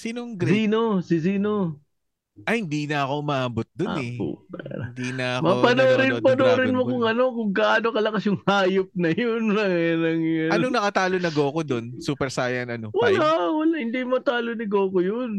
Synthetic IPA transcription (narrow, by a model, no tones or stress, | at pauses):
siːnoɡɾsiːno̞sɪs̬iːno̞ | ʔɐhɪnd̪iːnɐɐko̞ʔʊmaːaːbot̪̚d̪onɛo̰paɾnd̪inɐɐmɐpɐnoːɾɪpɐnoːɾɪnmokʊŋɐno̞kʊŋkɐʔaːnokɐlɐkɐsjʊŋhaːjop̚nɐjonɐŋjanɐŋjɐɐnoŋnɐkɐt̪aːlonɐɡoːkod̪o̞nsuːpɛɾsaːjɐnɐnowɐlawɐlahɪnd̪imɐt̪aːlonɐɡoːkojon